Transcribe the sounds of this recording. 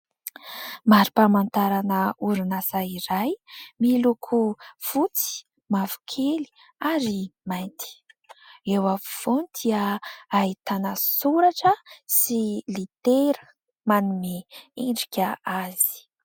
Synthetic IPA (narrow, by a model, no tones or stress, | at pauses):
maɾipamant̪aɾanəuɾinasaiɾajmilukʰufut͡si̥ | mavu̥kʰeli̥ | aɾimajnt̪i̥ | ewavuv̥onid̪̥iəait̪anəsuɾaʈ͡ʂəsilit̪eɾə | manumeeɳɖ͡ʐikʲəaz̥i̥